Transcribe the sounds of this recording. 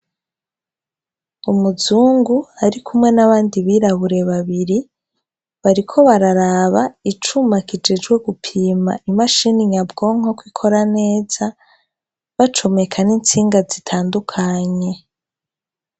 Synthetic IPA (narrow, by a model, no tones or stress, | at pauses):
umuzuːŋɡuaɾikʰumŋe̞naβaːndiβiːɾaβuɾe̞βaβiɾi | βaɾikʰo̞βaɾaɾaβait͡ʃumakid͡ʒed͡ʒɡwe̞ɡupʰiːma̰imaʃiniɲabɡo̞ŋ̥o̞kwikʰo̞ɾane̞ːz̥a | βat͡ʃo̞me̞kʰaniːnt͡siːŋɡazitʰaːndukʰaɲe̞